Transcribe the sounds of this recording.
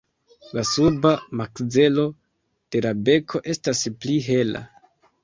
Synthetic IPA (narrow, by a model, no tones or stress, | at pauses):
lasubamakd͡ze̞lo̞ | d̥e̞labe̞kʰo̞ʔe̞staspliɦe̞la̰